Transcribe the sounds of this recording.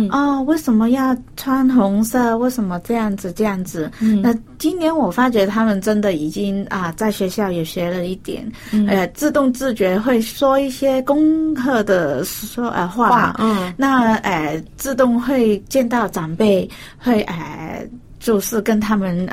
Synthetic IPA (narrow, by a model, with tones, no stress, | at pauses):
ʔɔ˥˩we˥˩ɪʂə˧˥nmə˧jɑ˥˩ʊt͡sʰwa˥nxʊ˧˥ŋsə˥˧we˥˩ɪʂə˧˥nmə˧ʈ͡ʂɤ˥˧jɑ˥˩ŋd͡zɹ̩˨˩ʈ͡ʂɤ˥˧jɑ˥˩ŋd͡zɹ̩˨˩na˥˩ | t͡ɕi˥nt̪jɛ˧˥nwɔ˨˩fa˥t͡ɕɥɛ˧˥t̪ʰa˥mə˨nʈ͡ʂə˥nd̪ə˨i˨˩t͡ɕi˥ŋə˧t͡sa˥˩ɪɕɥɛ˧˥ɕjɑ˥˩ʊjo˨˩ɕɥɛ˧˥lə˧i˥˩t̪jɛ̰˨˩˦n | ə˧˩t͡sɹ̩˥˧t̪ʊ˥˧ŋt͡sɹ̩˥˩t͡ɕɥɛ˧˥xwe˥˩ɪʂwɔ˥i˥˩ɕjɛ˥kʊ˥ŋkʰɤ˥˩d̪ə˩ɔ˥ʔə̰˧xwa̰˥˩˨na˥˧ə˧˩t͡sɹ̩˥˧t̪ʊ˥˧ŋxwe˥˧ɪt͡ɕjɛ˥˧nt̪ɑ˥˩ʊʈ͡ʂwa˨˩npe˥˩ɪ | xwe˥˩ɪʔə̰˧˩ | t͡ɕjo˥˧ʊʂɻ̩˥˩kə˥nt̪ʰa˥mə˨n